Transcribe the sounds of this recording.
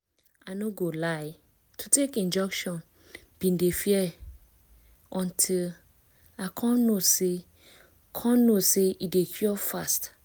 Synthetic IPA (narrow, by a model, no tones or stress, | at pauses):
anoɡolaɪ | tʰutekĩnd͡ʒɔkʃɔ̃n | b̥ĩndefiɛ | ɔ̃ntʰil | akʰɔ̃nnose | kʰɔ̃nnoseidekʰjɔfast